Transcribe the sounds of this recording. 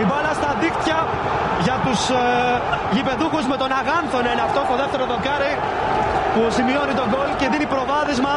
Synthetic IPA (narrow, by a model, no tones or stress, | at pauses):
ibɐlɐst̪ɐðikt̪çɐ | ʝɐt̪us | ʝipe̞ðuxuzme̞t̪o̞nɐɣɐnθo̞neneɐft̪osoðeft̪e̞ɾoðo̞kɐɾi | pusimio̞nit̪o̞ɡolce̞ðinipɾo̞vɐðezmɐ